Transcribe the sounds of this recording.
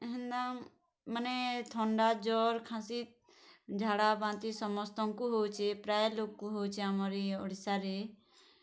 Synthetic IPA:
ɦɛ̃nd̪aŋ | mənet̪ʰɔɳɖaːd͡ʒɔːɾkʰãsit̪̚ | d͡ʒʱaːɽabãːnt̪isɔmɔst̪ɔŋkuɦot͡ʃʰepɾaːjloːkːuɦot͡ʃʰeamɔɾiʊɽisaɾe

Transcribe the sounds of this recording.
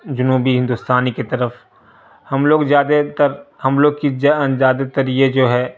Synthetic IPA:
d͡ʒʊnuːbiɦɪ̃nd̪ʊst̪aːniket̪ɐɾəf | hɐmloːɡjaːd̪et̪əɾhɐmloːɡkinzaːd̪et̪ɐɾied͡ʒoːɦɛː

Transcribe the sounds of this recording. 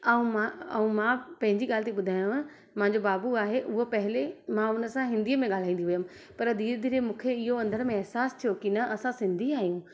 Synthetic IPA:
ɐũmãɐũmãːpɐ̃ɦɪ̃ɲd͡ʑiɠaːlt̪iɓʊd̪ʱaːjũ | mãːɲd͡ʑobaːbuaːɦeʔʊɦopɐɦɪlemãʊnə̆sãɦɪ̃nd̪iːəmẽŋɠaːl̤aːĩːnd̪iɦujəm̃ | pɐɾd̪iːɾd̪iːɾemũːkʰeɪɦoɐ̃nd̪əɾmẽɛɦsaːst̪ʰijokinɐʔɐsãsɪ̃nd̪ʱiaːɦijũː

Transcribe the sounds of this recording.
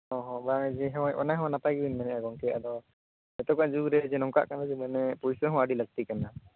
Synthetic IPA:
hɔ̃ɦɔ̃baŋd͡ʒɛɦɔ̃ɛʔɔ̰najɦɔ̃napajɡibinmanɛʔaɡɔŋkɛa̰d̪ɔ | ɛt̪ɔkaʔd͡ʒuɾɛd͡ʒɛnɔŋka̰ʔkanad͡ʒɛmanɛpujsəɦɔ̃aɖiləɡ̚t̪ikana

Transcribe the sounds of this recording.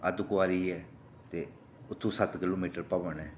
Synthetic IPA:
əd̪ʊkʊʋaːɾiːɛː | t̪eː | ʊt̪ʰːũːsət̪kɪloːmiːʈəɾpəʋənɛː

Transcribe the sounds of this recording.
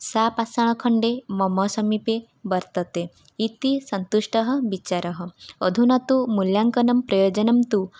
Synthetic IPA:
sapasaɭ̃ɔkʰɔɳɖemɔmɔsɔmipe | bʌɾt̪ɔt̪e | it̪isɔnt̪uʃʈɔɦɔbit͡ʃaɾɔɦɔɔd̪ʱunɔt̪umuljaŋkɔnɔmpɾɔjod͡ʒɔnɔmt̪u

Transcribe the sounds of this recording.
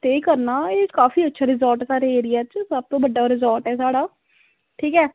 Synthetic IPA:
t̪eːkəɾnaːeːkaːfiːətːʃʰaːɾɪzɔːɾʈːsaːɾeːeːɾɪjaːt͡ʃsəb̚t̪õːbəɖːaːɾɪzaːɾʈɛːsaːɽaː | ʈʰiːkɛː

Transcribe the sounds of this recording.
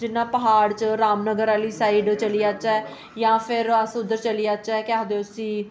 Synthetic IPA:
d͡ʒɪnːãːpəɦaːɽt͡ʃəɾaːmnəɡəɾaːliːsaːiːɖt͡ʃəliːaːt͡ʃaɛː | jãːpʰɪɾəsʊd̪əɾt͡ʃəliːaːt͡ʃaɛːkɪaːd̪eːʊsĩː

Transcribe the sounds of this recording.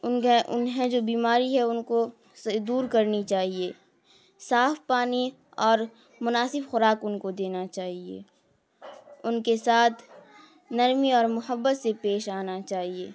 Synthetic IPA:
ʊnʊ̰nɦɛ̃d͡ʒoːbiːmaːɾiɦɛʊnko | sd̪uːɾkɐɾnit͡ʃaːɦieː | saːfpaːni | ɔːɾ | mʊnaːsɪbxʊɾaːkʊnkod̪eːnat͡ʃaːɦiḛː | ʊnkesaːt̪ʰ | nɐɾmiɔːɾmʊɦəbːət̪sepeːʃaːnat͡ʃaːɦiḛː

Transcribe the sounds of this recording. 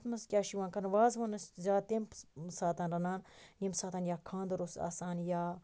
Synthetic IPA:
t̪mɐskʲaːʃiʋãːnkɐnʋaːzʋɐnɐszaːt̪emsaːt̪anɾɐnaːnnimsaːt̪anjaːkʰãːnd̪ɾosa̰ːsaːnjaː

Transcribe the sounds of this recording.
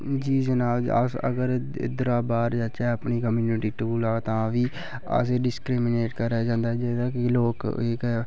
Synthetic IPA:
d͡ʒiːd͡ʒənaːd͡ʒə̰sə̰ɡəɾ̰ | d̪ɾaːbaːɾd͡ʒaːt͡ʃɛːəpniːkəmjuːnɪʈiːʈuːlaːt̪ãːʋiː | ə̰seɖɪskɾiːmneːʈkəɾaːd͡ʒãːnd̪aːd͡ʒed̪aːkɪloːkɪk

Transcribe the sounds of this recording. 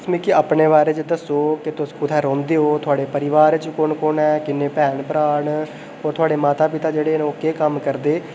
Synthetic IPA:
smiːkɪaːpɳeːʋaːɾeːt͡ʃɪd̪əsoːkɪt̪ʊskʊt̪ʰɛːɾõːnd̪eːoːt̪ʰʊaːɽeːpəɾɪʋaːɾt͡ʃkʊɳkʊnɛːkɪnːeːpɛːɳpɾaːɳ | oːɾt̪ʰʊaːɽeːmaːt̪aːpɪt̪aːd͡ʒeːɽeːnokeːkəmkəɾd̪eː

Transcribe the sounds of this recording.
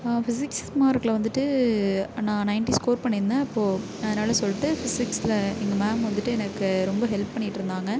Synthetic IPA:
fɪsɪksmaːɪɾɯkːɐlɐʋɐnd̪ɯʈːɯ | nãːnɐɪɳʈiskoːɾpɐɳːɪɾnd̪aːɪpːoː | ɐðɐnaːlɐsɔlːɪʈːɯfɪsɪksɪlɐɛŋɡɐmaːmʋɐnd̪ɯʈːɯɛnɐkːɯɾɔmbɐɦɛlppːɐɳːɪʈːɪɾɯnd̪aːŋɡɐ

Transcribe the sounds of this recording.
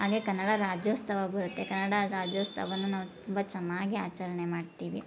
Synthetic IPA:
ɦaːɡekɐnːɐɽɐɾaːd͡ʒjoːst̪ɐʋɐbɐɾut̪ːe̞kɐnːɐɽɐɾaːd͡ʒjoːst̪ʰɐ̰ʋɐnːunaːʋut̪umbɐt͡ʃɐnːaːɡiaːt͡ʃɐɾɐɳe̞maːɖt̪iːʋḭ

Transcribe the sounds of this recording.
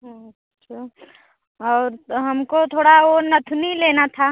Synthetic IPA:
ɦãɐ | tːʃʰa | ɔːɾɦɐmkot̪ʰoːɽaonɐt̪ʰunileːnat̪ʰa

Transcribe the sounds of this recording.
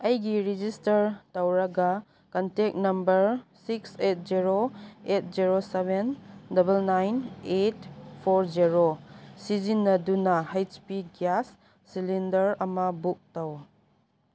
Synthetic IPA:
ɐjɡiɾid͡ʒistɐɾtɐwɾɐɡɐ | kɐntek̚nɐmbɐɾsikset̚ziɾoet̚ziɾosebendɐbelnajnetpʰoɾd͡ʒiɾosizinːɐdunɐhajt͡ʃpiɡjasː | ilindɐɾɐmɐbuk̚tɐw

